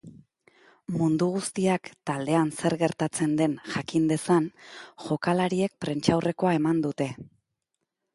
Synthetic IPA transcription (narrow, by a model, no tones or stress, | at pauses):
mund̪uɣ̞ust̪iakt̪ald̪e̞anse̞ɾɣe̞ɾt̪at͡se̞nd̪e̞nʝakind̪e̞sanʝo̞kalaɾie̞k̚pɾe̞nt͡ʃawre̞ko̞ae̞mand̪ut̪e̞